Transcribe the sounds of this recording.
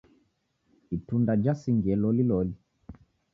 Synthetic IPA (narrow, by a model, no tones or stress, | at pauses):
itundad͡ʒasiŋɡɛlɔlilɔli